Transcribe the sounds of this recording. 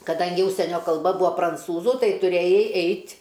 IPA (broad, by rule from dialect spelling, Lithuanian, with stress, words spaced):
kɐˈdɐŋʲɡʲɪ ˈʊʃʲsʲiɛnʲoː kɐlˠˈbɐ ˈbʊɐ prɐnˈt͡suːzʊ ˈtɐɪ tʊˈrʲeːjɛɪ ˈɛɪtʲ